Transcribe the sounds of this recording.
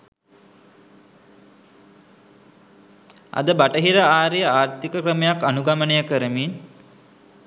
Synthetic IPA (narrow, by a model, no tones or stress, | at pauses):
a̰d̪əbaʈəɦiɾəaːɾejəaːɾt̪ikəkrəmejakanuɡamənejəkəɾəmin